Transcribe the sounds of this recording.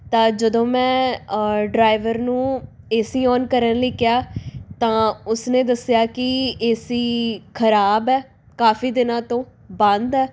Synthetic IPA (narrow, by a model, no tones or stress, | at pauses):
t̪ãːd͡ʒəd̪õːmɛ̃ː | ɖɾaːɪʋəɾnũː | eːsiːɔːnkəɾənləːkɪjaːt̪ãːʊsneːd̪əsjaːkɪeːsiːkʰəɾaːbɛː | kaːfiːd̪ɪnãːt̪õː | bə̃nd̪ɛː